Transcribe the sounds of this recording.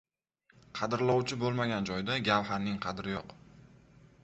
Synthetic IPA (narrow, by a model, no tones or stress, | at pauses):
qʰɑd̪ɪɾlˠɒwt͡ʃʰɪbolˠmaɡʲand͡ʒɒjd̪aɡʲalɦaɾnɪŋqʰɑd̪ɾɪjɒq